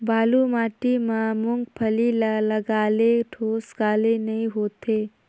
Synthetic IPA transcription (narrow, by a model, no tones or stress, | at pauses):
baːlumaːʈimãmʊ̃ŋɡpʰəlilləɡaːleʈʰoːsɡaːlenɐɦĩɦoːt̪ʰeː